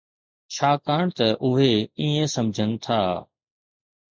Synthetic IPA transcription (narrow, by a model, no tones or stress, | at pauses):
t͡ʃʰaːkaːɳ̃t̪ɐʔʊɦeiːə̃sɐmd͡ʒʱənɪ̆t̪ʰaː